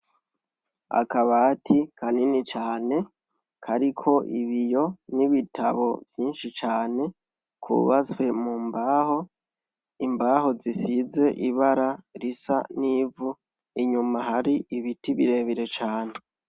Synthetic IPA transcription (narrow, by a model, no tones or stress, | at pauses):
a̰kaβaːtʰikʰaninit͡ʃaːne̞ | kʰaɾikʰo̞ʔiβijo̞niβitʰaβo̞vjiːnʃit͡ʃaːne̞ | kʰṵβaswe̞mumbaho̞ | imbaːho̞zisize̞ʔiβaɾaɾisa̰niːvu | iɲumahaɾiʔiβitiβiɾe̞βiɾet͡ʃaːne